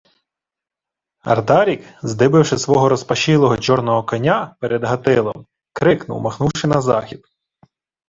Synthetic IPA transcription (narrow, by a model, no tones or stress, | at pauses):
ɐ̰rd̪ɑɾʲikzd̪ɪbɪwʃɪsʋɔɦɔɾɔspɐʃilˠɔɦɔt͡ʃɔrnɔɦɔkɐnʲapɛɾʔɛd̪ɦɐt̪ɪlˠɔ̰m | kɾɪknʊ̰wmɐxnuwʃɪnɐzɑxʲid̪